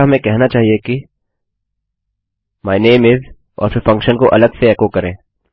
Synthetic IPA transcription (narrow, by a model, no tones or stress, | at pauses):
ɦɐmẽkɛɦnat͡ʃaːɦieki | maːɪneːmɪz | ɔ̰ːɾfɪɾfɐ̃ŋkʃənkoʔɐləd̪seɛːkokɐɾẽː